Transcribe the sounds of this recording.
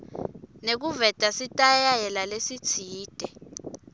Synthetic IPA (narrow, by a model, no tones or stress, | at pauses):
nek̬uvɛtʼasitʼajajɛlalesit͡sʰiːd̥ʱɛ